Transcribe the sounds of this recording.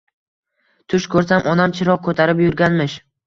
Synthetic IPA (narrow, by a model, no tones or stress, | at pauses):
t̪ʰʊʃkʰɵɾsamʔɒnamt͡ʃʰɪɾɒq̚kʰɵt̪ʰaɾɪpjʊɾɡʲanmɪʃ